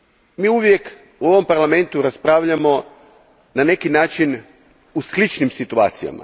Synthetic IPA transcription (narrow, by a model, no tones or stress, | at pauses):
miːuʋje̞k | uo̞ʋo̞mpaɾlame̞nt̪uɾaspɾaːʋʎamo̞ | nane̞kinaːt͡ʃin | uslit͡ʃnimsit̪ua̰ːt̪sija̰ma̰